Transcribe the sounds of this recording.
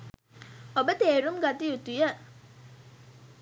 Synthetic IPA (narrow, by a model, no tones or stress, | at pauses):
obət̪eːɾumɡat̪iut̪ujə